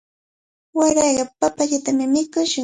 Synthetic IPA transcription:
waɾɑjɢɑpapaʎat̪amɪmɪkʊʃʊ

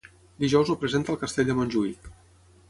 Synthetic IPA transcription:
d̪iʒɔwzupɾəzent̪əlˠkəst̪eʎʲd̪əmonʲʒuik

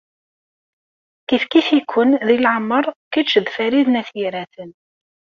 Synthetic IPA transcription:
kifkifikʰʷːʊnðilʕəmːəɾˤkiʃəðfæɾiðnæθiɾæθən

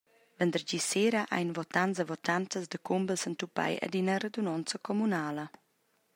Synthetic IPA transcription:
vɛnd̪əɾɟiseɾaʔa̰jnvɔt̪anzəvɔt̪ant̪əzd̪əkumbəlsənt̪upa̰jə̰d̪inəred̪unɔnt͡səkɔmunaːlə

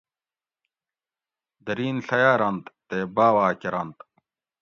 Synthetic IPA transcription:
d̪ɐɾiːnɬɐjaːɾɐnt̪t̪eːbaːwaːkeɾɐnt̪

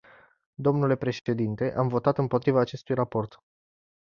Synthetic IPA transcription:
d̪o̞mnule̞pɾe̞ʃe̞d̪int̪e̞ʔamvo̞t̪at̪ɨmpo̞t̪ɾivaːt͡ʃe̞st̪ujrapo̞rt̪

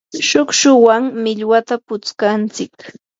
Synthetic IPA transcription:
ʃʊkʃʊwaŋmɪʎwat̪apʊt͡skant͡sɪk

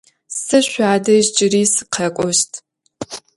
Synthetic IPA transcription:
sɨɕʷaːdɐʒd͡ʒʼɪriːsɨ̥qʰɐkʷʼɔʃtʰ

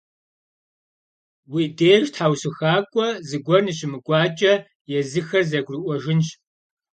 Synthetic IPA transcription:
wiːdeːrtħaːwɕɨxaːkʷʼɔzɨɡʷɔrnɨɕɪmɨkʷʼɑːt͡ʃʼɐ | jɛzɨxɐrzɐɡʷrɨʔʷɔʒɪnɕ

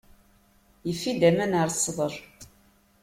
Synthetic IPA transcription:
jəfːid̪æmænaɾˤsˤːðˤəɾˤ

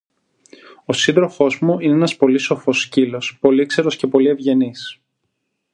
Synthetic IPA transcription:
osind̪ɾo̞fo̞zmuineenɐspo̞liso̞fo̞scilo̞spo̞likse̞ɾo̞sce̞po̞lie̞vʝe̞nis

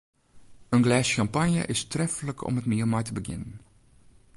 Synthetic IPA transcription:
ənɡlɛːsxɑmpɑnjə̰ʔɪstrɛfələkʰɔ̰mɦətmiəlˠmajtəbəɣɪ̰nən

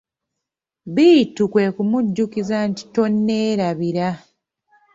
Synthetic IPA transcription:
βiːtukwe̞ːkumuɟːukizanti̥to̞nːe̞ːɾaβiɾa

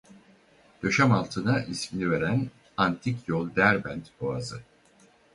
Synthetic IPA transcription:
d̪̥ø̞ʃæmalˠt̪ʰɯnaʔisminive̞ɾæn | ant̪ʰikjolˠd̪æɾbænt̪boazɯ

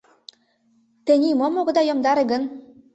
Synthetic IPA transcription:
t̪ɘ̆nʲimomoɣɤ̆d̪ɑjomd̪ɑɾeɡə̆n

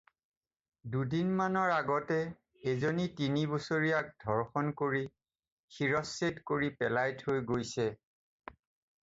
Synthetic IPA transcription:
dudinmanɔɹaɡɔtɛ | ezonitinibosoɹijak̚dʱɔɹxɔnkoɹi | xiɹɔsːetkoɹipɛlajthojɡojsɛ

